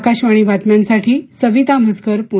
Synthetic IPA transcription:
kaɕʋaɽ̃iʋat̪mjãnsaʈʰiːsəʋit̪am̤əskəɾpu

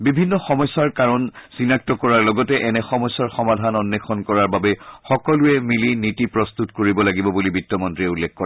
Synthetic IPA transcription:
bibʱinːɔxɔmɔjsːaɹkaɹɔnsinak̚tɔkɔɹaɹlɔɡɔtɛʔɛnɛxɔmɔjsːaɹxɔmadʱanɔnːexʰɔnkɔɹaɹbabɛxɔkɔluɛmilinitipɹɔst̪utkoɹibɔlaɡibɔbulibitːɔmɔntɹiɛulːekkɔɹa

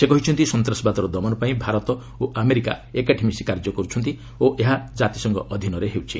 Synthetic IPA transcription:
sekɔɦit͡ʃʰɔnt̪isɔnt̪ɾɔsbat̪ɔɾɔd̪ɔmɔnɔpaĩbʱaɾɔt̪ɔ | oʔameɾika̰ekaʈʰimisi̥kaɾd͡ʒɔkɔɾut͡ʃʰɔnt̪̬i | oʔeɦad͡ʒat̪isɔŋɡɔ̰ʔːd̪ʱinɔɾeɦewt͡ʃʰi

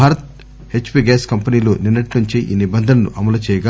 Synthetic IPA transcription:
aːɾɐt̪̚ | het͡ʃːu̥piɡaːskɐmpɐniːloːniɾnɐʈnuɲt͡ʃiʔḭːnibɐnd̪ʱɐnɐnṵʔɐmɐlɐt͡ʃɛːjɐɡa

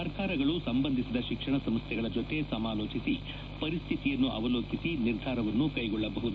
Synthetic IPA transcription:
ɐɾkʰaːɾɐɡɐɭusɐmbɐnd̪ʱisid̪ɐʃikʂɐɳɐsɐmst̪ʰjɛɡɐɭɐd͡ʒot̪ːe̞sɐmaːloːt͡ʃisi | pɐɾist̪ʰit̪ijɐnːuʔɐ̰ʋɐloːkisiniɾd̪ʱaːɾɐʋɐnːukɐjɡɔɭːɐbɐɦud̪u

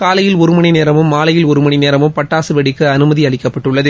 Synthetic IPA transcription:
kaːlɐjɪlɔɾɯmɐɳineːɾɐmɯmːaːlɐjɪlɔɾɯmɐɳineːɾɐmɯmpɐʈːaːsɯʋɛɽɪkːɯɐnɯmɐðiɐɭɪkːɐpːɐʈːɯɭːɐðɯ

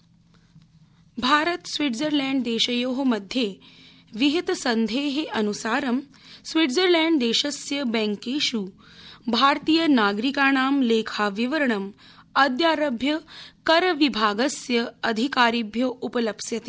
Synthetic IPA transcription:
bʱaːɾət̪sʋiʈzəɾlɛːɳɖd̪eːʃɐjoːɦɐmɐd̪ʱje | ʋiɦit̪sɐnd̪ʱeːɦeʔɐnusaːɾɐm | sʋiɖzəɾlɛːɳɖd̪eːʃɐsjɐbɛ̃ŋkeːʃuː | bʱaːɾt̪iːjənaːɡɾikaːnaːmleːkʰaːʋiʋəɾɐɳɐm | ɐd̪jaːɾɐbʱjɐkɐɾʋibʱaːɡɐsjɐɐd̪ʱikaːɾibʱjoʔupɐlɐbsjɐt̪e

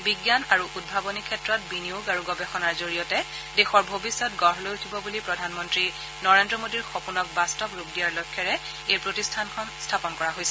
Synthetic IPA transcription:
biɡjanaɹuʔud̚bʱabɔnikʰɛtɹɔt̚biniuɡaɹuɡɔbɛxɔnaɹzoɹijɔtɛ | dexɔɹbʱobisːɔtɡɔɹlojtʰibɔbulipɹɔdʱanmɔntɹi | nɔɹendɹɔmodiɹxopunɔk̚bastɔbɹuk̚dijaɹlojkʰːɛɹɛ | ejpɹotistʰankʰɔnstʰapɔnkɔɹaɦojsɛ

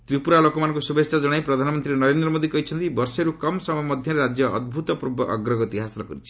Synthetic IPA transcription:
t̪ɾipuɾalokɔmanɔ̃ŋkusubesɔd͡ʒɔɽ̃ajpɾɔd̪ʱanɔmɔnt̪ɾinɔɾend̪ɾɔmod̪ikɔɦit͡ʃʰɔnt̪ibɔɾseɾukɔmsɔmmɔd̪ʱjaɾeɾad͡ʒjɔɔ̰d̪̚bʱut̪ɔpɾbɔ̰ɡɾɔɡɔt̪iɦasilɔkɔɾit͡ʃʰi̥

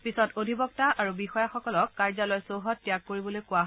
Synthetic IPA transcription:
pisɔtodʱibɔk̚taʔaɹubixɔjaxɔkɔlɔkːaɹzalɔjsoɦɔtːijak̚ːoɹibɔlojkʊaɦ

